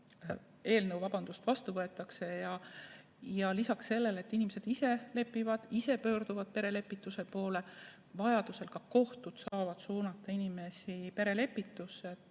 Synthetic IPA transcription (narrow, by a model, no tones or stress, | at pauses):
e̞ːlnɤwvɑb̥ɑnd̪̥ust̪vɑst̪uvɤet̪ˑːɑkse̞jɑ | jɑlisɑksːe̞lːele̞t̪ːinimese̞d̪̥ise̞le̞pːˑivɑd̪̥ise̞pø̞ːrd̪̥uvɑd̪̥̚pe̞ɾe̞le̞pːˑit̪ːˑuse̞po̞ːle̞ | vɑjɑd̪̥use̞lkɑko̞ht̪ud̪̥sɑɑːvɑd̪̥suːnɑt̪ːˑɑinime̞sipe̞ɾe̞le̞pːˑit̪ːˑuse